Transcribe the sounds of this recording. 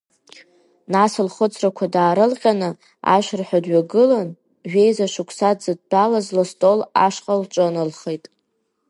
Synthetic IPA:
nasɨlχət͡sʰrakʷʰadaːɾɨlqʲʼanɨ | a̰ʃʷᶣrħʷᶣadɥaɡɨlan | ʒᶣejzaʂukʷʰsadzɨd̚b̥alazlastʼola̰ʂqʼalʈ͡ʂʼɨnɨlχejtʼ

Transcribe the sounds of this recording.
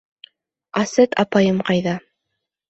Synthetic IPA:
ɑsɘt̪ɑ̰pɑjɤmqɑjðɑ

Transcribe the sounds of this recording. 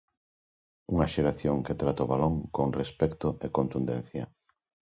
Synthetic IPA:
uŋɐʃeɾaθjoŋket̪ɾat̪aoβaloŋkoŋrespɛkt̪ʊekont̪und̪ɛ̰n̟θjɐ

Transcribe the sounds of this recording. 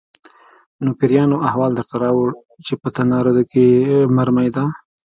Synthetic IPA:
nopɪɾjɑnoʔaɦwɑld̪əɾt̪aɾɑwəɽ | t͡ʃepət̪anɑɾod̪okemaɾmajd̪a

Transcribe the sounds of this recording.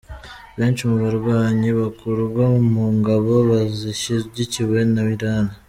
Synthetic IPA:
βeːɲt͡ʃumuβaɾɡwaːɲiβakʰuɾɡwamuŋɡaβo̞βaziʃizɟiciβe̞naβiɾaːna

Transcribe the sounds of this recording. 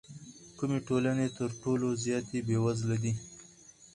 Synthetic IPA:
kumeʈolanet̪əɾʈolozjɑt̪ebewazlad̪i

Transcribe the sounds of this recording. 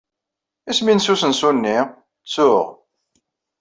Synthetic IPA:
isminsusənsunːi | t͡sːʊʁ

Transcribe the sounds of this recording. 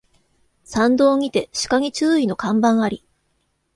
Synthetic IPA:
sãnd̪o̞ːŋ̟ʲit̪e̞ɕi̥kaŋ̟it͡ɕɨːino̞kãmbãɰ̃aɾʲi

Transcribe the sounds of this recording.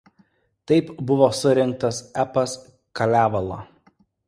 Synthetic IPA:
t̪ɐɪpbʊʋoːsʊɾʲɪŋk̚t̪ɐsæpɐs | kɐlʲæːʋɐlˠo̰ː

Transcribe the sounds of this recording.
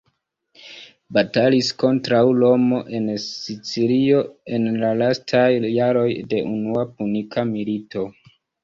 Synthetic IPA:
batalisko̞ntɾawlo̞mo̞ʔe̞nsit͡siɾio̞e̞nlalastʰajːaɾo̞jde̞ʔunuapunikʰamilito̞

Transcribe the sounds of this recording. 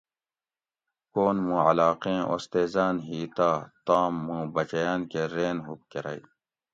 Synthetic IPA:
koːnmũːʕɐlaːqẽːʔo̰st̪eːzaːnɦiːt̪aːt̪aːmːũːbɐt͡ɕɐjaːnkeɾeːnɦup̚keɾa̰i

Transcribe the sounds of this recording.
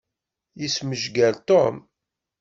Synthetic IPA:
jisməʒɡælt̪om

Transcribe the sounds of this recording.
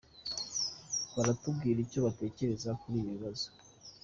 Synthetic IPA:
βaɾatub̚ɡiːɾico̞βate̞ːce̞ɾe̞zakuɾiːβiβazo̥

